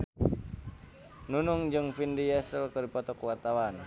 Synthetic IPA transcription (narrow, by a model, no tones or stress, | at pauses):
nunuŋd͡ʒɨŋfindijɛsəlkərdipɔt̪ɔkəwart̪awan